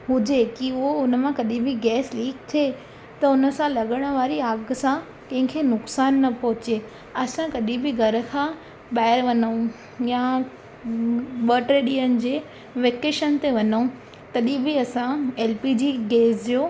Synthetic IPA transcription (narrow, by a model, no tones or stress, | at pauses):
ɦʊd͡ʑekiʊɦoʊnəmãkɐɗĩbɪɡɛːsliːkt̪ʰe | t̪ɐʊnə̆sãlɐɠəɽ̃̆ʋaːɾiaːɡsã | kɐ̃ɦɪ̃kʰeːnʊksaːnːɐpɐɦʊt͡ɕe | ɐsãkɐɗĩbɪɡʱɐɾə̆kʰãː | ɓaːɪəɾʋɐno | ja | ɓəːʈɾeɗiːənɪ̆d͡ʑeː | ʋeːkeːʃənt̪eʋɐɲo | t̪ɐɗĩbɪɐsãeːlpid͡ʑiːɡeːsd͡ʑoː